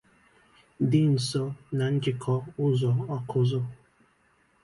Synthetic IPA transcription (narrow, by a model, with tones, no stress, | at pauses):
dɪ˦n̩˨sɔ˦na˨ŋ̩˦kɪ˦kʰɔ˦ʊ˦zɔ˨ɔ˦kʰʊ˦zʊ˦